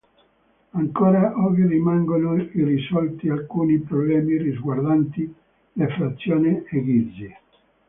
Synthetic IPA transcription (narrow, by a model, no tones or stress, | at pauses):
aŋkoːɾaʔɔɡirimaŋɡonoirisɔlt̪ialkuːnipɾoblɛːmirizɡward̪ant̪i | lefɾat̪sːjɔːneeɡidze